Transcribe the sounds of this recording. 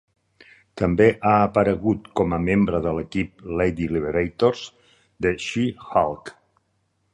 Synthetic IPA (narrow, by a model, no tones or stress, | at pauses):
t̪əmbeʔaːpəɾəɣut̪kɔməmembɾəðələkip̚lejd̪iliβeɾejt̪oɾz | d̪əʃixalˠk